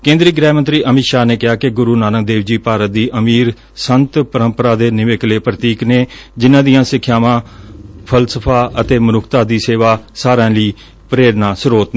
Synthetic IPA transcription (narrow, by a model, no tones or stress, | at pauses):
kẽːnd̪ɾiːɡɾɛːmənt̪ɾiːʔəmɪʃaːneːkɪɦaːkɪɡʊɾuːnaːnəɡd̪eːʋd͡ʒiːpaːɾət̪̚d̪iːʔəmiːɾ | sənt̪pəɾə̃mpəɾaːd̪eːnɪʋekleːpɾət̪iːkneːd͡ʒɪnãːd̪ijãːsɪkʰːjaːmãːpʰəlsəpʰaːʔət̪eːmənʊkʰt̪aːd̪iːseːʋaːsaːɾãːliː | pəɾeːɾnãːsʊɾoːt̪ː